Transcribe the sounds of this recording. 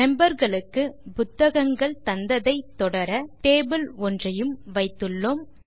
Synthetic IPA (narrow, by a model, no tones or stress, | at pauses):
mɛmbɐɾɣɐɭɯkːɯpʊt̪ːɐɣɐŋɡɐɭt̪ɐnd̪ɐðɐɪt̪ːɔɽɐɾɐʈeːbɯlɔndrɐjɯmʋɐɪt̪ːɯɭːoːm